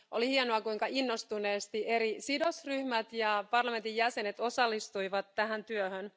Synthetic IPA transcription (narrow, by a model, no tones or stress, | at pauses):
ʔo̞lihienoɑkuiŋkɑinːo̞st̪une̞ːst̪iʔe̞ɾisido̞sryhmæt̪jɑpɑrlɑme̞nt̪ijæse̞net̪o̞sɑlːist̪uiʋɑt̪ːæɦænt̪yøhøn